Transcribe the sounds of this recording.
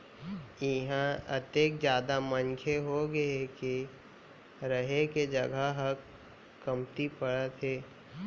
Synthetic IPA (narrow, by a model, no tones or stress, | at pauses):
ɪɦãət̪eːkd͡ʒjaːd̪amə̃nkʰeɦoɡɐeke | ɾəɦeked͡ʒɐɡəɦək | kːɐmt̪ipəɽət̪ɦeː